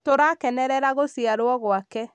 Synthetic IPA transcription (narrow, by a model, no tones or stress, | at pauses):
toɾaːkɛnɛɾɛɾaɣosiaɾwɔɣoakɛ